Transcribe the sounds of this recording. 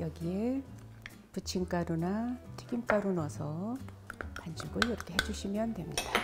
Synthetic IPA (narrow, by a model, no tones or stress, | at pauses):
jʌɡie | put͡ɕʰink͈aɾunatʰeɡimk͈aɾunʌsʰʌ | kand͡ʑuɡojʌɾʌkʰe̞ɦed͡ʑuɕʰimjʌntwe̞mɲid̥a